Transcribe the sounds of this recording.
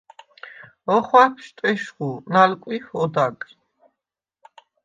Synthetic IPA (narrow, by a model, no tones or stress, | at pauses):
ɔχwakʰʃt̪ʼɛʃχunalkʼwihɔd̪akʼ